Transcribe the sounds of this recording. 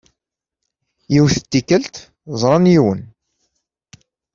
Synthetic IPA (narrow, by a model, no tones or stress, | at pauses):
jiwθət̪ːikːəlt̪ | zˤɾˤɑnjiwən